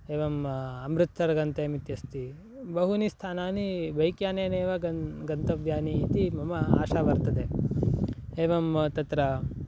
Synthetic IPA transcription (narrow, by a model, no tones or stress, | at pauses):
eːʋɐmɐmɾut̪ʰːɐɾɐɡɐnt̪eːmit̪jɐst̪i | bɐɦunist̪ʰaːnaːniʋɐjkjaːneːneːʋɐɐɡɐnt̪ɐʋjaːniːt̪imɐmɐa̰ːʃaːʋɐɾt̪ɐd̪e | eːʋɐmt̪ɐt̪ɾɐ